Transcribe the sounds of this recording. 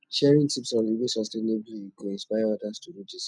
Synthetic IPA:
ʃɛɹĩŋtʰipsɔ̃nivĩsɔstẽnebliɡoɛ̃nspaɪjaɔdastuɹid͡ʒis

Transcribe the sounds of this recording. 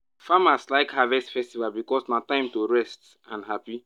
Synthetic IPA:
famaslaɪkhavɛstfɛstivalbikɔsnatãɪ̃mtoɹɛst | ãnɦapi

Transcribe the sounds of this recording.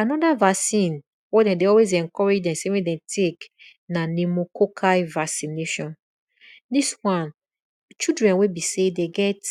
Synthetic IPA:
anɔdavasĩn | wedɛ̃deɔlwez̬ɛ̃ŋkɔɹed͡ʒdɛ̃msewedɛ̃tʰek | nanemokokʰavasineʃɔ̃n | diswãn | t͡ʃidɹɛ̃nwebisedeɡɛt

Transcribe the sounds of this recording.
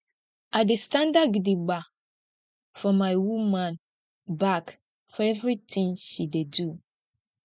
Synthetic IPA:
ʔadɪstʰãndaɡidiɡ͡ba | fɔmãɪwumãn | bak | fɔɛvɾit̪ʰɪ̃ŋʃidedu

